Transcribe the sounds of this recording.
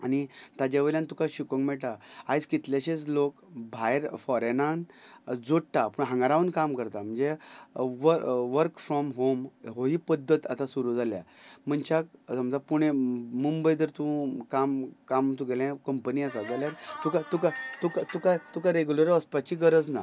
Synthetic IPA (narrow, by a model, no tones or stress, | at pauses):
añit̪ad͡ʑaʋeljãnt̪ukaɕikə̃ŋɡmɛʈaajskit̪ljaɕet͡slokbʱajɾfɔɾenand͡zoʈʈapuɳɦãŋɡaɾaʋənkamkəɾt̪am̤əɳd͡zeʋəʋəɾkfɾɔmɦomɦoɦiːpəd̪ʱːət̪at̪asuɾud͡zalja̰m̤əɳt͡ɕak̚səmd͡zapuɽ̃emumbəjd̪əɾt̪ũkamkamt̪ũɡelãkəmpəniasad͡zaljaɾt̪ukat̪ukat̪ukat̪ukat̪ukaɾeɡjuləɾəspat͡ɕiɡəɾəd͡zna